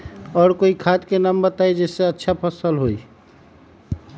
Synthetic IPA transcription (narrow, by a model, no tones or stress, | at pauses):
ɔːɾkoikʰad̪kenambət̪ajd͡ʒeseətːʃʰapʰəsəlɦoj